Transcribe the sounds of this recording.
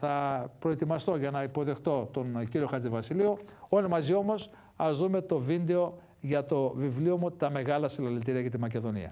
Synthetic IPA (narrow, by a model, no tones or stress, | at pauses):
θɐpɾoe̞t̪imɐst̪o̞ʝɐnɐipo̞ðe̞xt̪o̞t̪o̞nciɾio̞xɐt͡sivɐsilioo̞limɐzio̞mo̞s | ɐzðume̞t̪o̞vind̪e̞o̞ | ʝɐt̪o̞vivlio̞mut̪ɐme̞ɣɐlɐsilɐlelt̪iɾiɐcɐt̪imɐce̞ðo̞nḭɐ̰